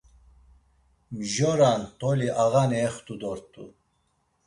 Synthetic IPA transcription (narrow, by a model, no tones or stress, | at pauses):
mʒɔɾant̪ʼɔliʔaɣanɛːχt̪ʰʼud̪ɔɾt̪ʰʼṵ